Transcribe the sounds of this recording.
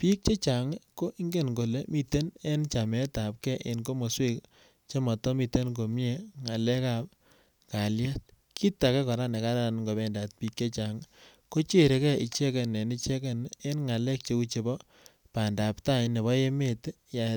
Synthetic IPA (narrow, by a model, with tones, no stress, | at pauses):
pi˦k̚t͡ʃe˦t͡ʃa˨ŋko˦ʔi˦ŋɡe˦˨nɡo˨le˦mi˦te˦ne˦nt͡ʃa˨mɛ˦ta˨p̚kɛ˦ʔe˨nko˦mo˨swe˦k | t͡ʃe˦mɔ˨tɔ˦mi˨te˦nk̬o˨mje˦ŋa˨le˦ka˦˨p | ka˨lja˦t̚ | kʰi˦tːa˨kɛ˦kɔ˨ɾa˦ne˨ka˦ɾa˦˨nŋɡo˨bɛ˦nda˨t̚pi˦k̚t͡ʃe˦t͡ʃa˨ŋ | ko˦t͡ʃe˦˨ɾe˨˦kɛ˦i˨t͡ʃe˦ke˨ne˨ni˦t͡ʃe˦ke˨ne˦nŋa˨le˦k̚t͡ʃe˦ku˦t͡ʃe˨bɔ˦ | pa˨nda˨pta˦ɲne˨βɔ˦je˦me˦˨tja˨